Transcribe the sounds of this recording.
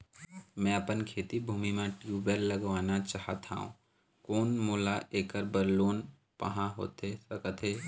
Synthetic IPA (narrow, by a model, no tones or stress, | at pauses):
mɛ̃əpənkʰeːt̪ibʱuːmimẽʈjuːbelləɡʋaːnat͡ʃaːɦət̪a̰ːṵ̃ | koːnmoːlaʔeːkəɾbəɾloːn | pə̰ɦãɦo̰ːt̪esəkət̪ɦeː